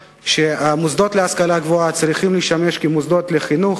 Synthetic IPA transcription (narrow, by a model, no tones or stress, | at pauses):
ʃeamuzd̪ot̪leaskalaɡvoat͡sɾiχimliʃtameʃkimuzd̪o̞t̪leχinuχ